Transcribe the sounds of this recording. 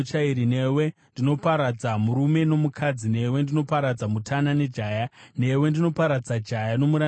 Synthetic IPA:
t͡ʃaiɾine̞we̞ | ndino̞paɾad͡zamuɾume̞no̞mukʰad͡zine̞we̞ndino̞paɾad͡zamutʰanane̞d͡ʒaːjane̞we̞ndino̞paɾad͡zad͡ʒajano̞muɾa

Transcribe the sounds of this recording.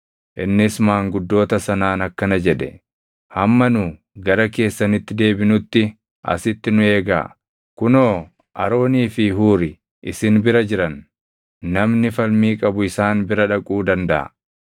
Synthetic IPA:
ʔɪnːɪsmaːŋɡʊd̪ːo̞ːt̪ɐsɐnaːnɐkːɐnɐd͡ʒɛᶑɛ̰ | hɐmːɐnʊ | ɡɐɾɐke̞ːsːɐnɪt̪ːɪd̪e̞ːbɪnʊt̪ːɪ | ʔɐ̰sɪt̪ːɪnʊe̞ːɡa̰ː | kʊnoː | ʔɐɾo̞ːniːfɪɦuːɾɪ | ʔɪsɪnbɪɾɐd͡ʒɪɾɐnː | ɐmnɪfɐlmiːkʼɐbʊɪsaːnbɪɾɐᶑɐkʼuːd̪ɐnd̪ɐʔɐ̰

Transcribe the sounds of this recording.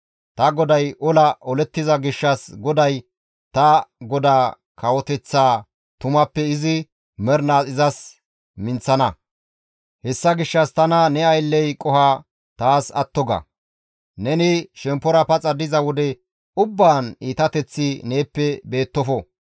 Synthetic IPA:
t̪ɐɡɔd̪ɐjʔɔlɐʔɔlɛt̪ːɪzɐɡɪʃːɐsɡɔd̪ɐj | t̪ɐɡɔd̪aː | kʰɐwɔt̪ɛt͡sːaː | t̪ʊmɐpːɛɪzɪ | mɛɾnaːsʼɪzɐs | mɪnt͡sɐnɐ | hɛsːɐɡɪʃːɐst̪ɐnɐnɛɐjlːɛjkʼɔha | t̪aːsɐ̰t̪ːɔɡɐ̰ | nɛnɪʃɛmpːɔɾɐpɐt͡sʼɐd̪ɪzɐwɔd̪ɛ | ʊbːaːniːt̪ɐt̪ɛt͡sːɪne̞ːpːɛbe̞ːt̪ːɔfɔ

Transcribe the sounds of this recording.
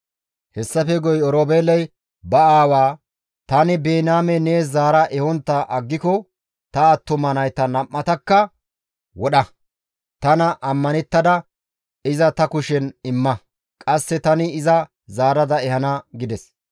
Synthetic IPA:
hɛsːɐfɛɡɔjɔɾoːbeːlɐj | bɐaːwaː | t̪ɐnɪbeːnaːmɛne̞ːs̬zaːɾɐʔɛhɔnt̪ːɐʔɐɡːɪkɔ | t̪ɐːt̪ːɔmɐnɐjt̪ɐnɐmːɐt̪ɐkːɐ | wɔɗɐ | t̪ɐnɐʔɐmːɐnɛt̪ːɐd̪ɐ | ɪzɐt̪ɐkʊʃɛnɪmːɐ | kʼɐsːɛt̪ɐnɪɪzɐ | zaːɾɐd̪ɐɛhɐnɐɡɪd̪ɛs

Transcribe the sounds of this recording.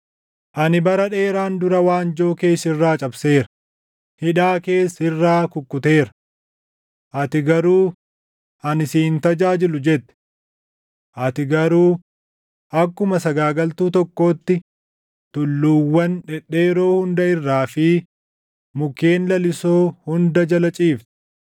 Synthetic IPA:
ʔɐnɪbɐɾɐᶑe̞ːɾaːnd̪ʊɾɐwaːnd͡ʒo̞ːke̞ːsɪrːaːt͡ʃʼɐbse̞ːɾɐ | hɪᶑaːke̞ːsɪrːaːkʊkːʊt̪e̞ːɾɐ̥ | ʔɐt̪ɪɡɐɾuː | ʔɐnɪsiːnt̪ɐd͡ʒaːd͡ʒɪlʊd͡ʒɛt̪ːɛ̥ | ʔɐt̪ɪɡɐɾuː | ʔɐkːʊmɐsɐɡaːɡɐlt̪uːt̪ɔkːo̞ːt̪ːɪ | t̪ʊlːuːwːɐnᶑɛᶑe̞ːɾo̞ːhʊnd̪ɐɪrːaːfɪ | mʊkeːnlɐlɪsoːhʊnd̪ɐd͡ʒɐlɐt͡ʃʼiːft̪ɛ̥

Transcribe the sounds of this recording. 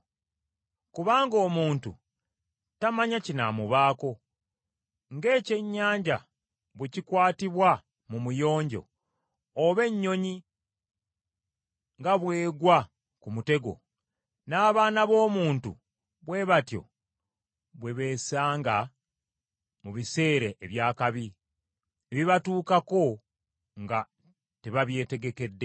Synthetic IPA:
kuβaːŋɡo̞ːmuːntṵ | tamaɲacina̰muβaːko̞ | ŋɡe̞ːce̞ɲːaːɲɟa̰ | βwecikwaːtiβwa | mumujo̞ːɲɟo̰ | oβe̞ɲːo̞ɲi | ŋɡaβweːɡwa | kumute̞ɡo̞̰ | naːβaːnaβo̞ːmuːntṵ | βwe̞ːβatjo̞̰ | βwe̞βe̞ːsaːŋɡa | muβise̞ːɾeʔːβjaːkaβi | eβiβatuːkako̞ | ŋɡa | teβaβje̞ːte̞ɡe̞ke̞dːe̞

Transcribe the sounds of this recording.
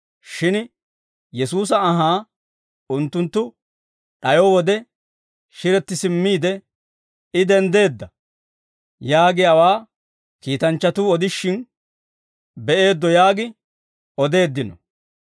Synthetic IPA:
ʃɪn | jɛsuːs̬ɐːɦaː | ʊnt̪ːʊnt̪ːʊ | ᶑɐjɔwɔd̪ɛ | ʃɪɾɛt̪ːɪsɪmːiːd̪ɛ | ɪd̪ɛnd̪e̞ːd̪ːɐ | jaːɡɪɐwaː | kiːt̪ɐnt͡ʃːɐt̪uːɔd̪ɪʃːɪn | bɛʔe̞ːd̪ːɔjaːɡɪ | ɔd̪e̞ːd̪ːɪnɔ̰

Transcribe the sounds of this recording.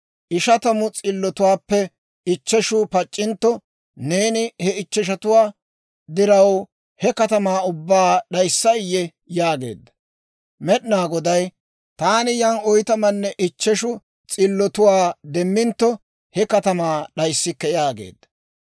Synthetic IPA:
ʔɪʃɐt̪ɐmʊt͡sʼɪlːɔt̪ʊwaːpːɛ | ɪt͡ʃːɛʃʊpɐt͡ʃʼːɪnt̪ːɔ | ne̞ːnɪhɛɪt͡ʃːɛʃ̬ɐt̪ʊwaː | d̪ɪɾɐw | hɛkɐt̪ɐmaːʊbːaːɗɐjsːɐɪjɛ | jaːɡe̞̰ːd̪ːɐ̥ | mɛɗnaːɡɔd̪ɐj | t̪aːnɪjɐnɔjt̪ɐmɐnːɛʔɪt͡ʃːɛʃʊ | t͡sʼɪlːɔt̪ʊwaːd̪ɛmːɪnt̪ːɔ | hɛkɐt̪ɐmaːɗɐjsːɪkːɛjaːɡḛːd̪ːɐ̥

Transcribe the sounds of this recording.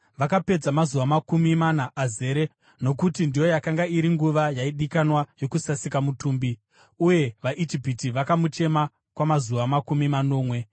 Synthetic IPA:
ʋakape̞d͡zamazuʋamakumimanaʔːze̞ːɾe̞ | no̞kutindijo̞jakaŋɡaiɾiŋɡuʋajaiɗikanwajo̞kusasikamutuːmbi | uje̞ʋaʔid͡ʒipitiʋakamut͡ʃe̞ma | kwamazuʋamakumimano̞ːmwe̞

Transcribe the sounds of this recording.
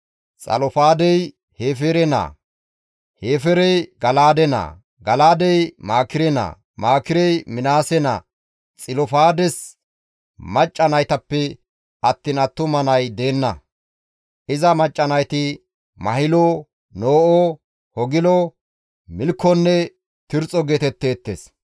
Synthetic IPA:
t͡sʼɐ̰lɔfaːd̪ɛj | he̞ːfɛɾɛna̰ː | heːfɛɾɛjɡɐlaːd̪ɛna̰ː | ɡɐlaːd̪ɛjmaːkɪɾɛna̰ː | maːkɪɾɛjmɪnaːsɛnɐ̰ | t͡sʼɪlɔfaːd̪ɛs | mɐt͡ʃʼːɐnɐjt̪ɐpːɛ | ɐt̪ːɪnɐt̪ːʊmɐnɐjd̪e̞ːnːɐ | ʔɪzɐmɐt͡ʃʼːɐnɐjt̪ɪ | mɐhɪlo | noːʔɔ | hɔɡɪlɔ | mɪlkːɔnːɛ | t̪ɪɾt͡sʼɔɡeːt̪ɛt̪ːe̞ːt̪ːḛs

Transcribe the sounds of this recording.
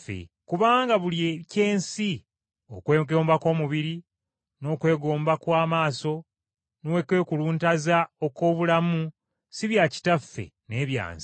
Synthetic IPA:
fḛ | kuβaːŋɡaβuliece̞ːnsi | o̞̰kweːɡo̞ːmbako̞ːmuβiɾi | no̞ːkwe̞ːɡo̞ːmbakwaːmaːso̞ | nowekwe̞ːkuluːntazao̞ko̞ːβulamu | siβjaci̥tafːe̞̰ | ne̞ːβja̰ːnsi̥

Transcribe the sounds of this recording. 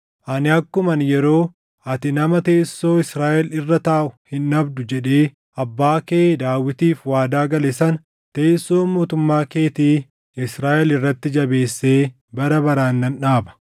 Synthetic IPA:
ʔɐnɪɐkːʊmɐnjɛɾo̞ː | ʔɐt̪ɪnɐmɐt̪eːsːo̞ːɪsɾaːʔɛlɪrːɐt̪aːʔʊhɪnːɐbd̪ʊd͡ʒɛᶑe̞ː | ʔɐbːaːkeːd̪aːwɪt̪iːfwaːd̪aːɡɐlɛsɐn | t̪eːsːo̞ːmoːt̪ʊmːaːke̞ːt̪iː | ɪsɾaːʔɛlɪrːɐt̪ːɪd͡ʒɐbe̞ːsːeː | bɐɾɐbɐɾaːnːɐnᶑaːbɐ̥

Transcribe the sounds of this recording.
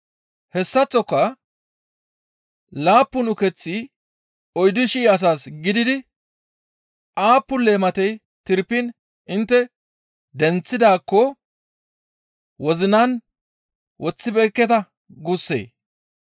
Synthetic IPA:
hɛsːɐt͡sːɔkːɐ | laːpːʊnʊkɛt͡sːi | ɔjd̪ʊʃɪɐs̬aːsɡɪd̪ɪd̪ɪ | ʔaːpːʊleːmɐt̪ɛj | t̪ɪɾpːɪn | ɪnt̪ːɛ | d̪ɛnt͡sːɪd̪aːkːɔ | wɔzɪnaːn | wʔɔt͡sːɪbɛːkːɛt̪ɐ | ɡʊsːḛː

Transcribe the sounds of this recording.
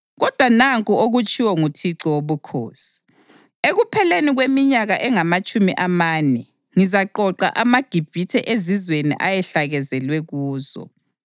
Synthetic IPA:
ɣɔd̥ʱwanaŋkʼuoɣut͡ʃʼiwɔŋutʰiǁɔwoβukʰo̰ːsi̥ | eɣupʰɛleniɣwemiɲaɣaʔɛŋamat͡ʃʼumiʔamaːnɛ | ŋizaǃɔǃa̰ʔamaɡ̥ʱib̥ʱitʰɛʔezizwenḭʔajɛɬaɣɛzɛlwɛɣuːzɔ̰

